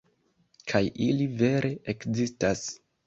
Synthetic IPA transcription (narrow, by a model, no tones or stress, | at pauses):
kʰajʔilive̞ɾʔe̞ʔekzistas